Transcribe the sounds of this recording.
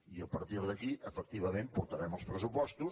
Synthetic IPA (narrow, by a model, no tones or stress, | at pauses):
iəpəɾt̪iɾðəkiʔəfək̚t̪iβ̞əmempuɾt̪əɾɛməlˠspɾəsupɔst̪u